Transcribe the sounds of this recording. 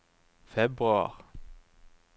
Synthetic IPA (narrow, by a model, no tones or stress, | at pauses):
fɛbʁʉɑ̰ʁ